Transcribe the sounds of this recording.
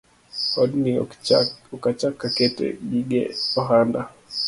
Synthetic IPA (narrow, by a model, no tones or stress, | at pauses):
ɔdni | ɔkat͡ʃakːaketḛɡiɡḛɔɦanda